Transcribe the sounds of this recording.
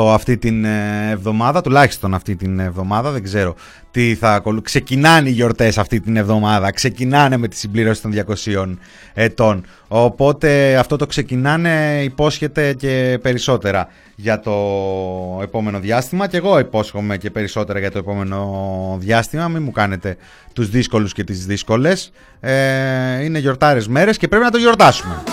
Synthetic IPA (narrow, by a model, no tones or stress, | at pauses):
ɐft̪it̪inevðo̞mɐðɐt̪ulɐçi̥st̪o̞nɐft̪it̪inevðo̞mɐðɐðeɡze̞ɾo̞ | t̪iθɐko̞lkse̞cinɐneiʝo̞ɾt̪e̞sɐft̪it̪ine̞vðo̞mɐðɐkse̞cinɐne̞me̞t̪i̥simbliɾo̞si̥t̪o̞nðʝɐko̞sio̞n | e̞t̪o̞n | opo̞t̪e̞ɐft̪o̞t̪o̞kse̞cinɐne̞ipo̞sçe̞t̪e̞ce̞pe̞ɾiso̞t̪e̞ɾɐ | ʝɐt̪o̞ | epo̞me̞no̞ðʝɐst̪imɐce̞ɣo̞ipo̞sxo̞me̞ce̞pe̞ɾiso̞t̪e̞ɾɐʝɐt̪o̞epo̞me̞no̞ðʝɐst̪imɐmimukɐne̞t̪e̞ | t̪uzðisko̞lusce̞t̪izðisko̞le̞s | eine̞ʝo̞ɾt̪ɐɾe̞zme̞ɾe̞scepɾe̞pinɐt̪oʝo̞ɾt̪ɐsume̞